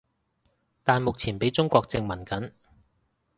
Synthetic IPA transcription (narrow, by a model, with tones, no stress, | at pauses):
t̪aː˨nmʊ˨k̚t͡sʰiː˨˩npe˨˥jt͡sʊ˥ŋkʷɔː˧k̚t͡sɪ˧ŋmɐ˨˩nkɐ˨˥n